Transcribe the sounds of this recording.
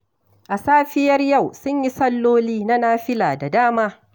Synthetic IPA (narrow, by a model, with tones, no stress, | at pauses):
ʔa˨saː˦ɸɪ˦jɐ˦rjɐ˦˨wsʊ˦ɲji˦sɐ˦lːoː˦liː˦na˦naː˦ɸɪ˦laː˨da˨daː˦maː˦